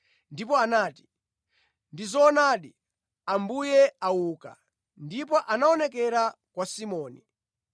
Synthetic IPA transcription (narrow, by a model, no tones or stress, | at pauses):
ndip̬ɔanaːti̥ | ndizɔːnaɗi | ambujɛawuːka̰ | ndipɔʔanaɔnɛkɛɾa | kwasimɔːni